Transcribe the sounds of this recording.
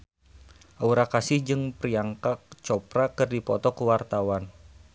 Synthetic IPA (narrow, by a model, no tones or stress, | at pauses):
ʔauɾakasɪhd͡ʒɨŋpriaŋkak̚t͡ʃɔpɾakɨrdipɔt̪ɔkəwart̪awan